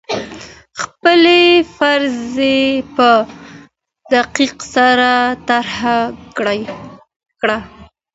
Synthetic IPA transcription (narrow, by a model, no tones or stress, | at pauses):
xpəlefaɾzepə | d̪aqiqsaɾat̪aɾhaj | kɽa